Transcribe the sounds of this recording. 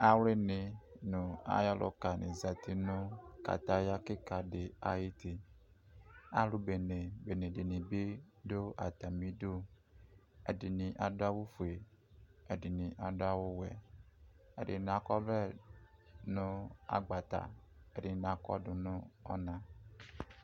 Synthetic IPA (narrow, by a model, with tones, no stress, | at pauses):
a˨wle˦nɪ˨nʊ˨a̰˨jɔ˦lʔʊ̰˨ka˨nɪ̰˨za˨t̪ʰi˦nʊ̃˦ka̰˨t̪a˦ja˦kɪ˦ka˨dɪ˨a˨ji˦t̪e˨ | a˦lʊ˦be˨ne˨be˨ne˨de˨nĩ˨be˦do˦a˨t̪a˨mĩ˦do˦ | ɛ̰˨dɪ˨nĩ˨ʔa˨da˦wu˦fu˨e˨ | ɛ˨di˨nĩ˨ʔa˨da˦wo˦wɛ̰˨ | ɛ̰˨dɪ̰˨n˨ã˨kɔ˦vɛ˦ | nʊ̃˦a̰˨ɡ͡ba˨t̪a̰˨ɛ˨dɪ˨n˨ã˨kɔ̰˦dʊ˨nʊ̃˦ɔ̰˦nã˨